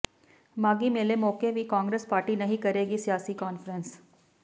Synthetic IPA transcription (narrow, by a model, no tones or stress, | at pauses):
maːɡimeːlemoːkeʋʱikaːŋɡɾespaːɾʈinɐɦĩkɐɾeːɡisijaːsikɔːnfɾə̃ns